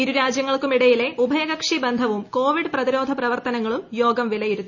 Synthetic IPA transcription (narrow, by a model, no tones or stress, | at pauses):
iɾuɾaːd͡ʑjɐŋːɐɭkumiɽɐjile̞ʔubʱɐjɐɣɐkʂibend̪ʱɐʋumko̞ːʋiɖɨprɐðiɾo̞ːd̪ʱɐprɐʋɐrt̪ɐnɐŋːɐɭumjoːɡɐmʋilɐjiɾut̪ː